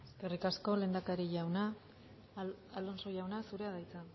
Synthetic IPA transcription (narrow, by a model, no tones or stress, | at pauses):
eske̞rikasko̞le̞ːnd̪akaɾiʝawna | lo̞nso̞ʝawnasuɾe̞aðajt͡sa